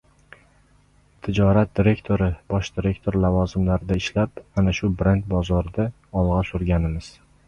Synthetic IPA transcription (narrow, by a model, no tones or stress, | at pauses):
t̪ʰɪd͡ʒɒɾat̪̚d̪̥iɾe̞kt̪ʰoɾɪbɒʃd̪iɾe̞kt̪ʰo̞ɾlavɒzɪmlaɾɪd̪aɪʃlapanaʃʊbɾent̪̚bɒzɒɾɪd̪a | ɒlˠʁɑsʊɾɡʲanɪmɪz̥